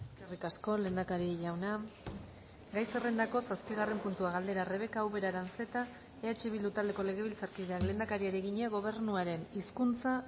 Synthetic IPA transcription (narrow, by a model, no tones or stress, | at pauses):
eske̞rikasko̞le̞nd̪akaɾiʝawna | ɡajse̞re̞nd̪ako̞saspiɣ̞are̞mpunt̪uaɣald̪e̞ɾare̞β̞e̞kaːwβe̞ɾaɾanse̞t̪a | eat͡ʃe̞βild̪ut̪ald̪e̞ko̞le̞ɣ̞eβilt͡saɾkiðeakle̞nd̪akaɾiaɾeɣiɲeaɣo̞β̞e̞ɾnuaɾe̞niskunt͡sa